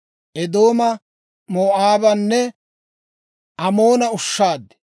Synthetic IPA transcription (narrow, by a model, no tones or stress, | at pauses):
ʔɛd̪o̞ːmɐ | moːʔaːbɐnːɛ | ʔɐmoːnɐʊʃːaːd̪ɛ̥